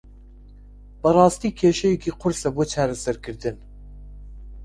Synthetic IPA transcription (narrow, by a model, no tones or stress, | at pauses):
b̥ɐrɑːst̪iːkʰeːʃɛjekʰiːqʰʊɾsɛboːt͡ʃʰɑːɾɐsɐɾkʰɨɾd̪ɨn